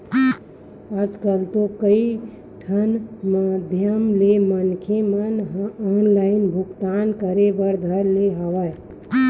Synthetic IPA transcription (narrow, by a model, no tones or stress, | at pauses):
ad͡ʒkəlt̪okəi | ʈʰənmad̪ʱjəmlemənkʰemənɔnlaɪnbʱʊkt̪ankəɾebəɾd̪ʱəɾleɦaʋa